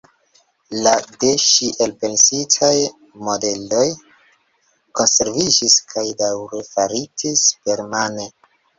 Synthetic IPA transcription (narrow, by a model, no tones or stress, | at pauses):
lade̞ʃiʔe̞lpe̞nsitʰaj | mo̞de̞lo̞j | ko̞nse̞ɾvid͡ʒiskʰajdawɾefaɾitʰispe̞ɾmane